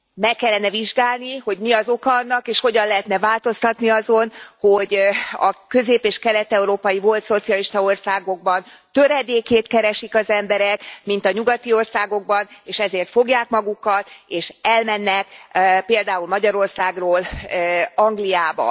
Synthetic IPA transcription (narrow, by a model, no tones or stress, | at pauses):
mɛkːɛlːɛnɛviʒɡaːlniho̞ɟmiɒzo̞kɒnːɒkeːʃho̞ɟɒnlɛɦɛt̪nɛvaːlt̪o̞st̪ɒt̪niɒzo̞nho̞ɟɒ̰kø̞zeːpeːʃkɛlɛt̪ɛuɾoːpɒjivo̞lt̪so̞t̪sijɒliʃt̪ɒo̞rsaːɡo̞ɡ̚bɒnt̪øɾɛd̪eːkeːt̪kɛɾɛʃikɒzɛmbɛɾɛkmint̪ɒɲuɡɒt̪io̞rsaːɡo̞ɡ̚bɒneːʃɛzeːrt̪fo̞ɡjaːkmɒɡukɒt̪eːʃɛlmɛnːɛkpeːld̪aːulmɒɟɒɾo̞rsaːɡroːl | ɒŋɡlijaːbɒ̰